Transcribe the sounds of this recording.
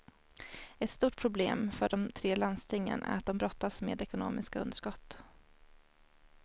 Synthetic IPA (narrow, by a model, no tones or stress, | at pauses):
ɛt̪st̪uːʈ̚pʰɾʊbleːmfœɖɔmt̪ʰɾeːlanst̪ʰɪŋːə̰nʔæ̰ɾat̪̚d̪ɔmbɾɔt̪ːasmḛːd̪ɛkʊno̰ːmɪskaɵnd̪əʂkɔt̪ː